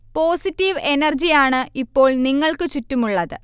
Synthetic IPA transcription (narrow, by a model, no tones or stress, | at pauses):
po̞ːsitːiʋenɐrd͡ʑijaːɳɨʔipːo̞ːɭniŋːɐɭkɨt͡ɕutːumuɭːɐðɨ